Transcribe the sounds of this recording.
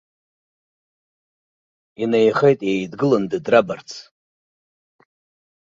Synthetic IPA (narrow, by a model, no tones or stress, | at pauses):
inajχejtʼjejdɡɨlɨndɨdrabart͡sʰ